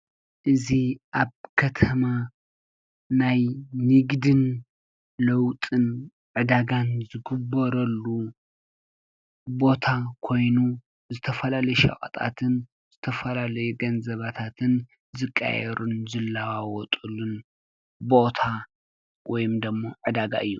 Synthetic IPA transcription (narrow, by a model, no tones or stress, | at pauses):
ʔɨziʔaβkʰɐt̪ʰɐma | najnɨɡd̪ɨn | lɐwt̪ʼɨn | ʕɨd̪aɡanzɨɡɨbɐɾɐlːu | bo̞t̪ʰakʰo̞jnu | zɨt̪ʰɐfɐlalɐjʃɐ̰χʼɐ̰t̪ʼa̰t̪ʰɨn | zɨt̪ʰɐfɐlalɐjuɡɐnzɐβat̪ʰat̪ʰɨn | zɨkʼːa̰jɛɾʔunzɨlːawawɔt̪ʼulun | bo̞t̪ʰa | wɔjɪmd̪ɐmːoʕɨd̪aɡa̰ʔɨjːu